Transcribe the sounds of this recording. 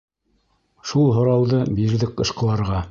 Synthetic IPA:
ʃulˠɦŏɾɑwðɤbiɾðɘk̚qɤ̆ʃqɤ̆lˠɑɾʁɑ

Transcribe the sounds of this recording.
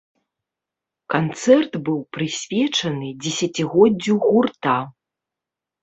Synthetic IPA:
kant̪sɛrt̪bɨwpɾɨsʲvʲɛt͡ʂɐnɨd͡zʲɛsʲɐt͡sʲiɣɔdd͡zʲːuɣurt̪a

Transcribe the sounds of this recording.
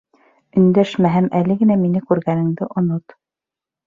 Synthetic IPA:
ɵ̆nd̪æʃmæɦæmʔælɘɡɘ̆næminɘkʉɾɡænɘ̆ŋd̪ɘʔŏnot̪

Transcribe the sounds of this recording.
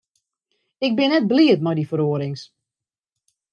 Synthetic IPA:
ɪk̚bɪnɛt̚bliətmajdifəɾoəɾɪŋs

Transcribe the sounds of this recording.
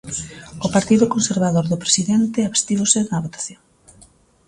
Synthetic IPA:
ʊpaɾt̪iðʊkonseɾβaðoɾðʊpɾe̥siðɛnt̪ɪaβe̥st̪iβosɪnɐβot̪ḁθjoŋ

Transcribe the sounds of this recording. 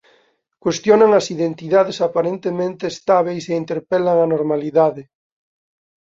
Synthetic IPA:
kwest̪jonaŋɐsiðent̪iðaðesapaɾent̪emẽnt̪eːst̪aβ̞ejseint̪eɾpelaŋanoɾmaliðaðɪ

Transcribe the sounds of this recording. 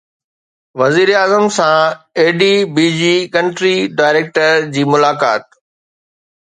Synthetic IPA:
ʋɐziːɾeaːzəmsãeːɖibiːd͡ʑikɐ̃ɳʈɾiɖaːɪɾeːk̚ʈəɾd͡ʑiːmʊlaːka̰ːt̪̚

